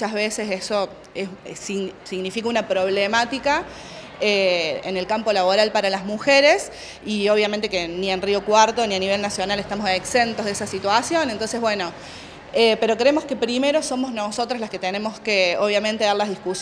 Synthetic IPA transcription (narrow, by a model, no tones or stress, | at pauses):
aɦβeseseso | essisiɣnifikaunapɾo̞β̞lemat̪ika | eene̞lkampo̞laβo̞ɾalpaɾalazmuxeɾes | io̞β̞jament̪̬ekenienriokwaɾt̪o̞nianiβ̞e̞lnasjo̞nale̞ht̪amoseksent̪oðesasit̪wasjo̞nent̪o̞ns̬e̞ɦβwe̞no̞ | epe̞ɾo̞kɾeemo̞ske̞pɾime̞ɾo̞so̞moznoso̞t̪ɾoaslaske̞t̪ene̞moskeoβ̞jament̪e̞ðaɾlaɦðihkus